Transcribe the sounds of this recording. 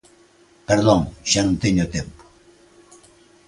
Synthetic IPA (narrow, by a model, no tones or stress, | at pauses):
peɾðoŋʒanũnt̪eɲot̪empo̥